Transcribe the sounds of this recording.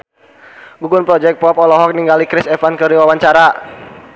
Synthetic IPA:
ɡuɡʊnpɾɔd͡ʒɛk̚pɔpɔlɔɦɔk̚niŋɡalikɾɪsɛfankəɾiwawaɲt͡ʃaɾa

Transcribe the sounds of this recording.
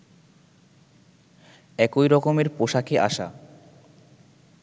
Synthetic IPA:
ɛkojɾɔkomeɾpoʃakeʔa̰ʃa̰

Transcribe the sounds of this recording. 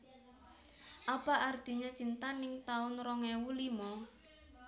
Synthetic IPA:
ʔapaʔard̪̥iɲat͡ʃint̪anɪŋt̪aʊnrɔŋɛwulimɔ

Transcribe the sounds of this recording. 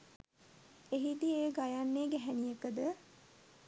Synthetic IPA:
eɦid̪ieːɡajanːeːɡæɦænijekəd̪ə

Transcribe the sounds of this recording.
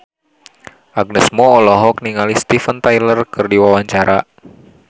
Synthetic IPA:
ʔaɡ̚nəsmɔːlɔɦɔk̚niŋalist̪ifənt̪ajlərkɨrdiwawaɲt͡ʃaɾa

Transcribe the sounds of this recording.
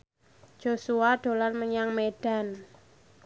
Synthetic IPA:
d͡ʒ̥o̤suaɖ̥o̤larməɲaŋmeɖ̥a̤n

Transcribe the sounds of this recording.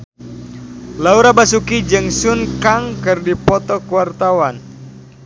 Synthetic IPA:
lauɾabasukid͡ʒɨŋsunkaŋkɨrdipɔt̪ɔkuwart̪awan

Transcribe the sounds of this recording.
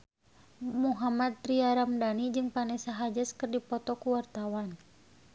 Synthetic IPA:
muɦamad̪̚ɾiaɾamdanid͡ʒɨŋpanɛsaɦad͡ʒəskɨrdipɔt̪ɔkuwart̪awan

